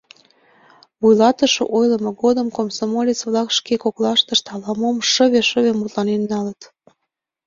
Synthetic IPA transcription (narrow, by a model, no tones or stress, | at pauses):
βujlɑt̪əʃo̰ʔojlə̆moɣod̪əmkomsomolʲet͡sβlɑkʃkekoklɑʃt̪əʃt̪ɑlɑmomʃə̆βeʃəβemut̪lɑnenːɑlət̪